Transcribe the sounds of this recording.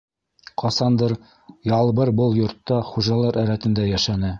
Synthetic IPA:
qʰɒsɑnd̪ɤɾ | jɑlˠbɤɾbɤlˠjŏɾt̪ːɑχuʒɑlˠɑɾæɾæt̪ɘ̆nd̪æjæʃænɘ

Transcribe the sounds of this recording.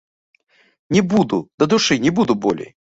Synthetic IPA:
nʲɪbud̪ʊd̪ɐd̪ʊʂɨnʲɪbud̪ʊbo̰lʲɪ̰j

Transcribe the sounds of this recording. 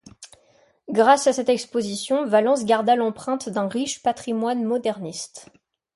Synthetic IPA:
ɡʁasasɛt̪ɛkspozisjɔ̃valɑ̃s̬ɡʲaʁd̪alɑ̃pχɛ̃t̪d̪ɛ̃ʁiʃpat̪χimwanmɔd̪ɛʁnist̪

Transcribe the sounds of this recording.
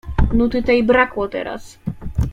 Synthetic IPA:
nut̪it̪ɛibɾaklɔt̪ɛ̰ɾa̰s

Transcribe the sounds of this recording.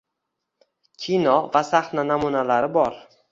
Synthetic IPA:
kʲʰinɒvasaχnanamunalaɾɪbɒɾ

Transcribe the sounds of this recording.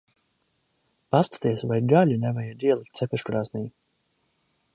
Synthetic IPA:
past̪ḁt̪iɛsvajdaʎʲunɛvajad̪iɛlˠik̚t̪sɛpʲɛʃkɾaːsniː

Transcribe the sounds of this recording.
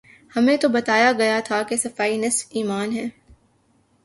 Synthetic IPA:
hɐmẽt̪obɐt̪aːjaɡɐjat̪ʰakesɐfaːinɐsfiːmaːnɦɛː

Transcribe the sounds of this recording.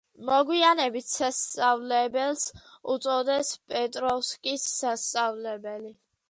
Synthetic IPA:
mɔɡwianɛbit̪ʰsast̪sʼavlɛbɛlˠsut̪sʼɔd̪ɛspʼɛt̪ʼɾɔfskʼisːast̪sʼavlɛbɛli

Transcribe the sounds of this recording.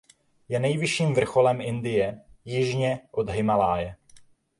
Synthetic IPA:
jɛnɛjvɪʃiːmvr̩xolɛmɪndɪjɛjɪʒɲɛʔod̪ɦɪmalaːjɛ

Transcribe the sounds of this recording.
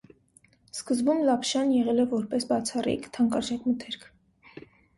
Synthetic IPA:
skəzbumlɑpʰʃɑnjɛʁɛlɛvɔɾpɛsbɑt͡sʰɑrḭkt̪ʰɑŋkɑʒɑkmət̪ʰɛɾkʰ

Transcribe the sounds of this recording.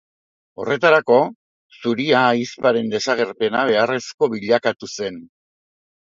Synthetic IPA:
o̞re̞t̪aɾako̞ | suɾiaːispaɾe̞nd̪e̞saɣe̞ɾpe̞naβe̞are̞sko̞βiʎakat̪use̞n

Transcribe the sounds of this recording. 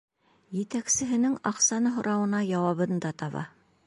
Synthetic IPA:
jɘ̆t̪æksɘ̆ɦɘ̆nɘŋɑqsɑnɤɦŏɾɑwɤ̆nɑjɑwɑβɤ̆nd̪ɑt̪ɑβɑ̰

